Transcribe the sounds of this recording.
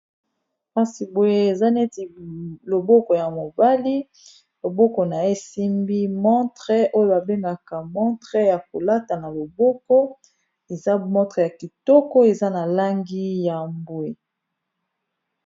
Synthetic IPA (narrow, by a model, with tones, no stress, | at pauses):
ka˦si˨bo˨je˦e˨za˦ne˦ti˨lo˨bɔ˦kɔ˨ja˨mo˨ba˦li˦ | lo˨bɔ˦kɔ˨na˨e˦si˦mbi˦mɔ̃˦tɛ˦o˦jo˦ba˨be˦ŋɡa˨ka˨mɔ̃˦tʁɛ˦ja˨ko˨la˦ta˨na˨lo˨bɔ˦kɔ˦ | e˨za˦mɔ̃˦tʁɛ˨ja˨ki˨tɔ˦kɔ˦e˨za˦na˨la˦ŋɡi˦ja˨mbwe˨